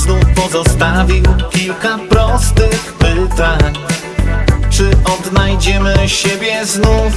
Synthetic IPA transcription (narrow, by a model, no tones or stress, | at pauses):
znufpɔzɔst̪avʲiwkʲilkapɾɔst̪ɘxpɘt̪aɲ | t͡ʂɘʔɔd̪najd͡ʑɛmɘɕɛbʲjɛznuf